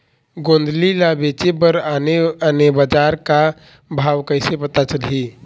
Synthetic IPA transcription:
ɡond̪lilabet͡ʃebəɾaneanebəd͡ʒaɾka | bʱawkəɪsepət̪at͡ʃəlɦi

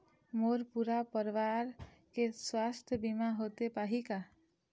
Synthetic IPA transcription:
moɾpuɾapəɾʋaɾkeswast̪ʰjəbimaɦot̪epaɦika

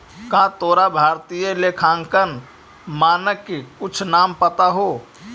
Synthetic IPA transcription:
kãt̪oːɾabʱaːɾt̪ijəlekʰãːŋkən | maːnəkːekʊt͡ʃʰnaːmpət̪aɦo

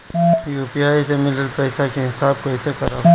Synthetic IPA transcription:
juːpiaːisemɪləlpɛːsakeɦɪsaːb̚koɪsekɐɾa̰ː

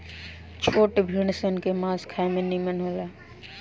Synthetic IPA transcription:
t͡ʃʰoːʈbʱiɽ̃sənkemãːzkʰaemẽnimənɦolaː

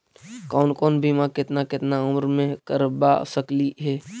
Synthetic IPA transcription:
kɔːnkɔːnbʱimãkɪt̪nakɪt̪naʊmɾmẽkəɾba̰səkliɦɛː

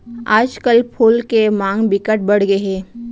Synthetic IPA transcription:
a̰ːd͡ʒkəlpʰʊlkemãːŋɡbɪkəʈ̚bɐɽɡəɦɛː

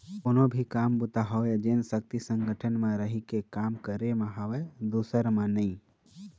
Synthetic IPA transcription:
koːnobʱikaːmbʊt̪aɦɔʋd͡ʒensək̚t̪isə̃ŋɡəʈʰənmãɾəɦikekaːmkəɾemãɦɐʋed̪uːsəɾmãnəĩ

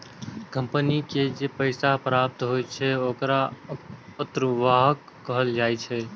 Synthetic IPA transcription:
kə̃mpniked͡ʒepəɪsapɾap̚t̪ɦoːjt͡ʃʰɛoːkɾa | ət̪ɾʋaːɦəkːəɦəld͡ʒaːjt͡ʃʰɛ

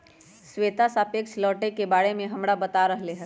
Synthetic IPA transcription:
sweːt̪asapeːkʃʰlɔːʈekebaːɽemẽɦɐmɽabət̪aɾəɦleɦɛː

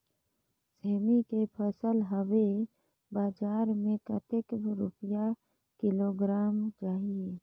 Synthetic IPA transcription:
seːmikepʰəsəlɦəwe | baːd͡ʒaːɾmẽkət̪ɪkbɾʊ̰pja | kɪloːɡɾaːmt͡ʃaːɦie

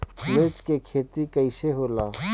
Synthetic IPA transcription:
meːt͡ʃkekʰeːt̪ikɐɪseɦoːlaː

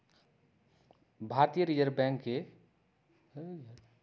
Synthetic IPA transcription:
bʱaɾt̪ijəɾid͡ʒəɾbɛ̃ŋkːe

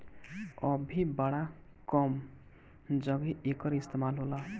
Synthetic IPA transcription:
ʌbʱibaɽakɔm | d͡ʒʌɡiʔekʌɾist̪emalɦolʌ

